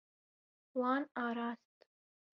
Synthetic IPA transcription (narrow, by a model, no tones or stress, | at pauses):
wɑːnɑːɾɑːst̪